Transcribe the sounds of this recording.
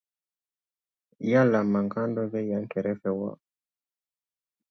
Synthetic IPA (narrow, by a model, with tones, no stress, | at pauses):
ja˦la˨ma˨ŋka˦ndɔ˦ðɛ˦ja˨ŋkɛ˨ɾɛ˦fɛ˨wa̰˦